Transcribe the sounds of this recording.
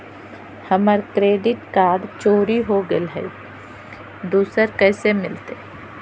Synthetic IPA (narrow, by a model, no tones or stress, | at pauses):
hɐməɾkɾeːɖɪʈkaːɖt͡ʃoːɾiɦoɡɪlɦɛ̰ | d̪uːsəɾkɛːsemɪlt̪eː